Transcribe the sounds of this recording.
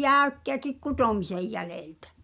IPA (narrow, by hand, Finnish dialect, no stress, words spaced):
jæˑykːeækik kutomisej jæleˑltæ̥